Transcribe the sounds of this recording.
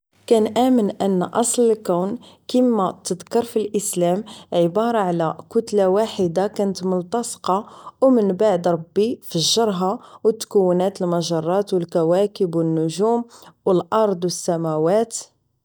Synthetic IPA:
kænʔæmənʔənːʔɑsˤləlkæwnkəmːæt̪əd̪kɑɾˤfilʔəslæmʕəbɑɾˤɑʕlækʊt̪lawaħəd̪akænət̪mʊlt̪ɑsqɑwmənbaʕd̪ɾˤɑbːifəʒːɑɾˤɦawət̪ːkəwːnæt̪əlmæʒɑrˤːɑt̪wəlkæwækəbwənːʊʒumwəlʔɑɾˤd̪ˤwəsːæmæwæt̪

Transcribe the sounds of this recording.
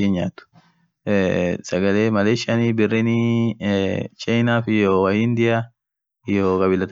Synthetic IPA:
iːnɲaːt̪ʊ̥ | sɐɡɐleːmɐleːʃɐniːbɪrːɛni | t͡ʃʼɐɪnaːfɪjoːwɐjɪːnd̪ɪja | jokʼɐbɪlːɐt̪

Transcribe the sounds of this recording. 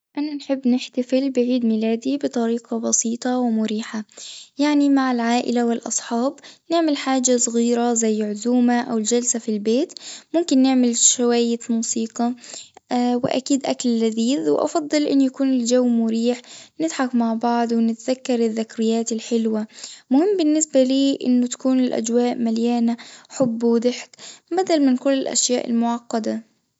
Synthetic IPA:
ʔananħɪbːnɪħt̪afɪlbɪʕiːd̪milaːd̪ibɨt̪ˤɑɾiːqɑbɑsiːt̪ˤɑwɪmʊɾiːħajaʕnimaʕɪlʕaːʔɪlawɪlʔɑ̰sˤħɑːbnɪʕmɪlħaːd͡ʒasˤɣiːɾazajːʕʊzuːmaʔawɪld͡ʒalsafilbeːt̪mʊmkɪnːɪʕmɪlʃawajːɪmuːsiːqɑ | wɪ̰ʔa̰kiːd̪ʔa̰kalːaðiːðwʔɑ̰fɑd̪ˤːɑlʔɪ̰nːʊjakuːnɪld͡ʒawːmʊɾiːħnɪd̪ħakmaʕbɑʕd̪ˤwɪnɪt̪ðakːɑɾˤɪðːɪkɾɪjːaːt̪ɪlħɪlwamʊhɪmːbɪnːɪsbaliːʔɪ̰nːʊt̪ḁkuːnɪlʔa̰d͡ʒwaːʔmaljaːnaħʊbːd̪ɪħkbad̪almɪnkʊlːɪlʔa̰ʃjaːʔɪ̰lmʊʕɑqːɑd̪a

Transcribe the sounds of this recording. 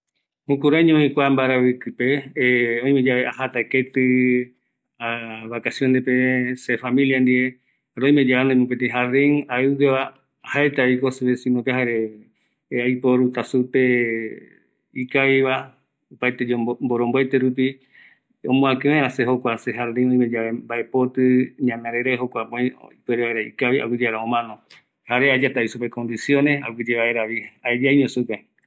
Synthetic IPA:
hũkuɾaɲõĩkʷambaɾaβɨkɨpeõj̃med͡ʒaβeʔahat̪aeket̪ɨ | aβakasjond̪epesefamĩljand̪iɾe | ɾoj̃mẽd͡ʒaand̪oemũpet̪̬eɦaɾeŋaeɡeβa | haet̪aikoseβesĩnopeɦaɾe | ajpoɾut̪asupe̞ | ikaiβa | opajt̪ed͡ʒomboɾomboet̪eɾup̬i | õ̰mũãkẽẽɾaseɦokʷaseɦaɾɾẽŋõĩmed͡ʒaβembaepot̪ɨɲãmẽɾeɾaɦokʷapõĩipeɾeβaeɾaḭkaia̰wɨd͡ʒeaɾaõmãnõ | haɾead͡ʒat̪aisupekond̪isjõneawid͡ʒeβaeɾaβiaed͡ʒaaiɲõsuke

